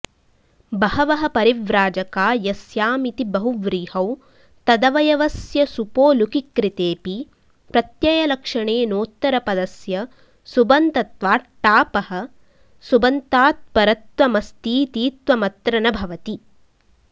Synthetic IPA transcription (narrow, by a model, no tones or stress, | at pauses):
bɐhɐʋɐɦɐ̆pɐɾiʋɾaːd͡ʒɐkaːjɐsjaːmit̪ibɐɦuʋɾiːhɐw | t̪ɐd̪ɐʋɐjɐʋɐsjɐsupoːlukikɾit̪eːpi | pɾɐt̪jɐjɐlɐkʂɐɳeːnoːt̪ːɐɾɐpɐd̪ɐsjɐ | subɐnt̪ɐt̪ʋaːʈːaːpɐhɐ̆ | subɐnt̪aːt̪̚pɐɾɐt̪ʋɐmɐst̪iːt̪iːt̪ʋɐmɐt̪ɾɐnɐbʱɐʋɐt̪i